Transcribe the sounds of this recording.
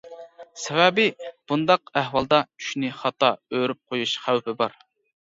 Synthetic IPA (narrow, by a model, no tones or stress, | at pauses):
sɛvɛbɪb̥und̪ɑq̚æhwɑlˠd̪ɑt͡ʃʰy̥ʃnɪχɑt̪ɑøɾyp̚qʰojuʃχæwpɪbɑɾ